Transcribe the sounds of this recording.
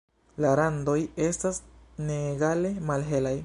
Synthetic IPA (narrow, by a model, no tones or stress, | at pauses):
laɾando̞je̞stasneɡale̞malɦe̞laj